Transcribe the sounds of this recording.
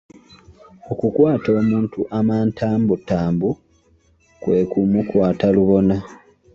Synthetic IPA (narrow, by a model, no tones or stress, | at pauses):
okukwaːto̞ːmuːntuʔamaːntʰaːmbutːaːmbu | kwe̞ːkumukwaːtaluβo̞na